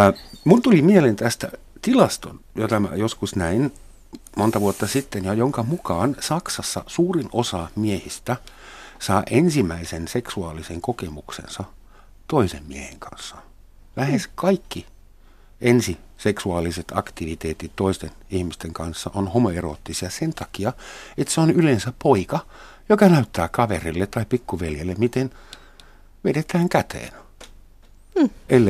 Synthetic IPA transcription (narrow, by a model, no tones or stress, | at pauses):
munt̪ulimielent̪æst̪æ̰ | t̪ilɑst̪o̰njot̪ɑmæ̰joskusnæin | mont̪ɑʋuot̪ːɑsit̪ːenjɑjoŋkɑmukɑːnsɑksɑsːɑ̰suːrinosɑmiehist̪æ | sɑːʔensimæisenseksuɑːliseŋkokemuksḛnsɑ | t̪oisemmiehḛŋkɑ̰nsːɑ | læheskɑikːi | ʔensi | seksuɑːlːiset̪ɑ̰kt̪iʋit̪eːt̪it̪toist̪en | ihmist̪eŋkɑnsːɑʔonhomoero̰t̪ːisiɑsent̪ɑkiɑet̪seonylensæppoikɑ | jokɑnæyt̪ːæːkɑʋerilːet̪tɑipikːuʋeljelːemmit̪en | ʋedet̪æːŋkæt̪ḛːn | ʔelː